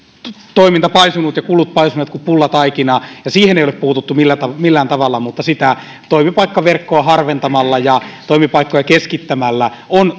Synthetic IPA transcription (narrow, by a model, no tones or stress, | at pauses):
t̪oimint̪ɑpɑisunut̪jɑkulut̪̚pɑisuneːt̪kupulːɑt̪ɑikinɑːjɑsiːheneˑjoleppuːt̪ut̪ːumilːæt̪ɑmilːæːnt̪ɑʋɑlːɑmut̪ːɑsit̪æ | t̪oimipɑikːɑʋerkːoɑhɑrʋent̪ɑmɑlːɑjɑt̪oimipɑikːojɑkeskit̪ːæmælːæon